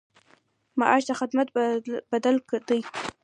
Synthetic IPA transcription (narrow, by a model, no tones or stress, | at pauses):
maʔaʃd̪axɪd̪mat̪bad̪alkd̪əj